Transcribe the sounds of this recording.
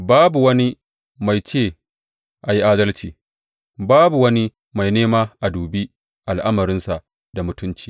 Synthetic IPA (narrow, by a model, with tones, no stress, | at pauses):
baː˦bu˨wɐ˦ni˦ | ma˨jt͡ʃeː˦˨ | ʔa˨ji˦ʔaː˦dɐ˦lt͡ʃiː˨ | baː˦bu˨wɐ˦ni˦ | ma˨jneː˦maː˦ʔa˨duː˨bi˦ | ʔa˨lʔa˦mɐ˨ɾɪ˦nsa˨ʔ | da˨mʊ˦tʊ˦nt͡ʃi̥ː˨